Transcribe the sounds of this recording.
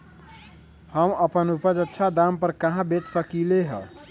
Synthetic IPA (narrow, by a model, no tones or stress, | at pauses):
həməpənupəd͡ʒətːʃʰad̪ampəɾkaɦãbet͡ʃsəkileɦə